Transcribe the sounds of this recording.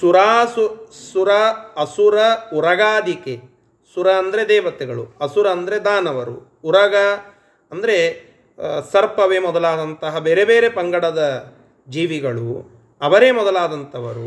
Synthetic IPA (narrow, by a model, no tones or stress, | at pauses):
suɾaːsusuɾɐɐsuɾɐuɾɐɡaːd̪ike | suɾɐnd̪ɐɾed̪ɛːʋɐt̪eɡɐɭuɐsuɾɐːnd̪ɐɾed̪aːnɐʋɐɾṵː | ɾɐɡɐ | ɐnd̪ɐɾe̞ | sɐɾpɐʋemɔd̪ɐlaːd̪ɐnt̪ɐɦɐbeːɾebeːɾepɐŋɡɐɽɐd̪ɐ | d͡ʒiːʋiɡɐɭṵ | ɐʋɐɾeːmɔd̪ɐlaːd̪ɐnt̪ɐʋɐɾṵ